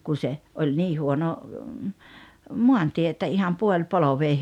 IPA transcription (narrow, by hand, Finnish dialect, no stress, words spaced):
kun̞ se olʲ niː huono muɑntie etːæ ihɑm puolʲpoloʋeː